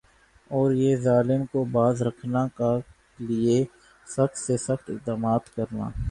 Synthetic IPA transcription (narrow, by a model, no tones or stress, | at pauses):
ɔːɾjezaːlɪmkobaːzɾəkʰnaka | lie | səxt̪sesəxt̪ɪk̚d̪aːmaːt̪kəɾna̰ː